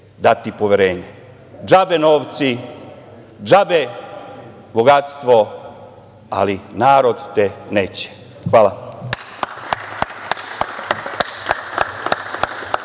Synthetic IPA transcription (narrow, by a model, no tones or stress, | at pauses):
d̪at̪ipoʋjeɾeːɲe | d͡ʒabenoːʋt̪si | d͡ʒabe | boɡat̪st̪ʋo̞ | a̰linaːɾo̞d̪t̪eneːt͡ɕe̥ | xʋaːla